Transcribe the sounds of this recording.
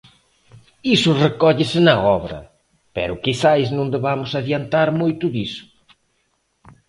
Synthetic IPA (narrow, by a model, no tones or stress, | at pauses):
isʊrekɔʎɪsɪnɐɔβɾɐ̰ | pɛ̰ɾʊkisajznõnd̪eβamʊsaðiant̪aɾmojt̪ʊðisʊ̥